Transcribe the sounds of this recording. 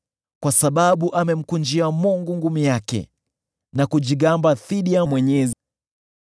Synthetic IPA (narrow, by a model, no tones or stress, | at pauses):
kwasaɓaɓuʔamɛm̩kund͡ʒiamuŋɡuŋɡumijakɛ̰ | nakud͡ʒiɠambaθiɗiamwɛɲɛzi